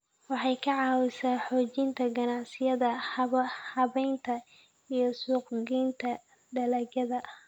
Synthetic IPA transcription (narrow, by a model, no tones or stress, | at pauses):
wɑħɑjkʰɐʕɑːwɪsaːħɔːt͡ʃɪnt̪ʰɐɡɐnɑʕsɪjɐðɐ | hɐβɛjnt̪ʰɐ | ijɞsuːqɡint̪ʰɐ | ɖɐlɐɡɐðɐ